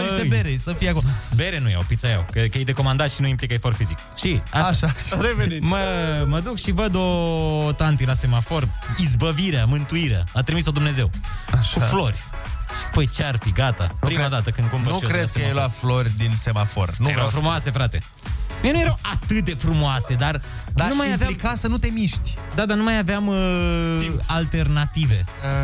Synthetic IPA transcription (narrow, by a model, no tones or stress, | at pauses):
əejbeɾesəfijakobe̞ɾenujɾa̰wpit̪saja̰wkəkjejd̪e̞ko̞mand̪at̪ʃinuimplikajfo̞rfizik | ʃiaaʃaʃɾevenit̪məməd̪ukʃivəd̪ot̪ant̪ilase̞mafo̞rizbəviɾeamɨnt̪uiɾea̰at̪ɾimiso̞d̪umne̞ze̞waʃuflo̞rʲ | ʃpəjt͡ʃearfiɡat̪a̰pɾimad̪at̪əkɨnd̪̚komnukɾed̪̚kseəjejlaflorʲd̪inse̞mafo̞̰rnufɾumoase̞fɾat̪e̞ | miejnujeɾawat̪ɨt̪̚d̪e̞fɾumoase̞d̪arnanumajaveaikasənut̪e̞miʃt̪ʲd̪ad̪anumajaveam | alt̪e̞rnat̪ive̞